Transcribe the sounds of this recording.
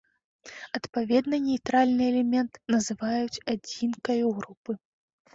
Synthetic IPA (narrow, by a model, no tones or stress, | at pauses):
ɐt̪pavʲɛd̪nɐnʲɛjt̪ɾalʲnɨɛlʲɛmʲɛnt̪nɐzɨvajut͡sʲad͡zʲinkɐjuɣɾupɨ